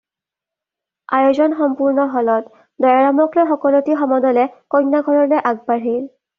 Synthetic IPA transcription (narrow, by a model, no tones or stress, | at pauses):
ajozɔnxɔmpuɹnɔɦɔlɔt | dɔjaɹamɔklɔxɔkɔlotixɔmɔdɔlɛkɔjnːaɡʱɔɹɔnɛʔaɡ̚baɹɦil